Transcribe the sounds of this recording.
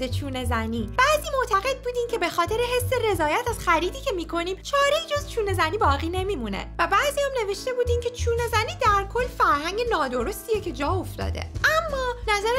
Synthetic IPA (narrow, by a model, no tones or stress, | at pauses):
et͡ʃʰuːne̞zæniːb̥æːziːmoʔt̪ʰæɣe̞d̪̚buːd̪iːncʲʰe̞be̞xɒːt̪ʰe̞ɾeɦe̞sːe̞re̞zɒːjæt̪ʰæz̥xæɾiːd̪iːcʰemiːkʰo̞niːmt͡ʃʰɒːɾeid͡ʒo̞zt͡ʃʰuːne̞zæniːbɒːɣiːne̞miːmunḛvæbæʔziːjæmne̞ve̞ʃt̪e̞buːd̪iːncʰe̞t͡ʃʰuːne̞zæniːd̪æɾkʰo̞lːfæɾhæŋɟe̞nɒːd̪o̞ɾo̞st̪ijecʰe̞d͡ʒɒːo̞ft̪ɒ̰ːd̪e̞̰ʔæmːɒːnæzæɾ